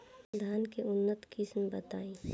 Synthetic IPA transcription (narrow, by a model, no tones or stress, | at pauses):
d̪ʱaːnkeʊnːət̪kɪsmbɐt̪aːĩ